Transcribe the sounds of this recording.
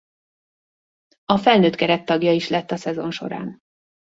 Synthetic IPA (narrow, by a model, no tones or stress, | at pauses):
ɒfɛlnøːt̪kɛɾɛt̪ːɒɡjɒiʃlɛt̪ːɒsɛzo̞nʃo̞̰ɾa̰ːn